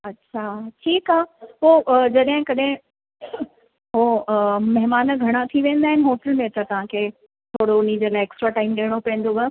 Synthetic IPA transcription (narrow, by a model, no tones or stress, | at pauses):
ɐtːɕʰaːʈʰiːkaːpoːʔd͡ʑɐɗɦɪ̃kɐɗɦɪ̃ | ɦomɐɦmaːnəɡʱɐɽ̃at̪ʰiʋẽːnd̪aːɦɪnɪ̆ɦoːʈəlmẽt̪ɐt̪ɐʋ̤ãkʰeː | t̪ʰoːɽoʊnid͡ʑolaːɪeksʈɾaʈaːɪmɗeːɽ̃opɛ̃ːn̆d̪oʋɐ